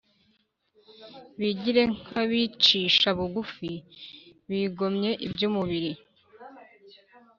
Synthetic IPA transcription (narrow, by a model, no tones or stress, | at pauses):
βiɟiɾe̞ŋhaβit͡ʃiːʃaβuɡufi | βiɡo̞mɲe̞ʔibɟumuβiɾi